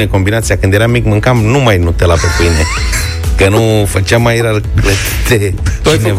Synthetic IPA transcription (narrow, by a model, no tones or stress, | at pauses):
neko̞mbinat̪sijakɨnd̪je̞ɾamikmɨŋkamnumajnut̪elapepɨine | kənufət͡ʃeamːajeɾarklət̪it̪e | ne